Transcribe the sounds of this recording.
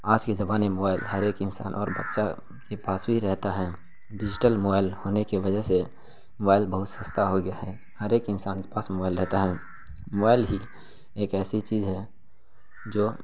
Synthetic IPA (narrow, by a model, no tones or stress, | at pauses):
aːd͡ʒked͡ʒɐbaːnemoːbaːɪlɦəɾeːkɪnsa̰ːnʔɔ̰ːɾbət̪ːʃa | kepaːsbʱiɾɛɦt̪aɦɛ | ɖɪd͡ʒɪʈəlmoːbaːɪlhoːnekiʋəd͡ʒəɦse | mobaːɪlbəɦʊt̪səst̪aɦoɡɪjaɦɛ | həɾeːkɪnsaːnke̥paːsmobaːɪlɾɛɦt̪aɦɛː | mobaːɪlɦi | eːkɛːsit͡ʃiːzɦɛː | d͡ʒoː